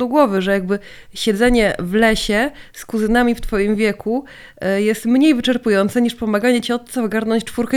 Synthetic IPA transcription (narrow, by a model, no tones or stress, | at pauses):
uɡwɔvɘʐɛjaɡ̚bɘ | ɕɛd̪zɛɲɛvlɛɕɛskuzɘnamʲift̪fɔjimvʲjɛku | jɛst̪mɲejvɘt͡ʂɛɾpujɔnt̪sɛɲiʂpɔmaɡaɲɛt͡ɕɛɔt̪sɔvɔɡaɾnɔɲt͡ɕt͡ʂfuɾkɛ